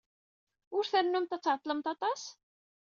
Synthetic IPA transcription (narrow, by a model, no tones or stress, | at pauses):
ʊɾθəɾnumt̪æt͡sːʕət̪ˤːləmt̪ɑt̪ˤɑs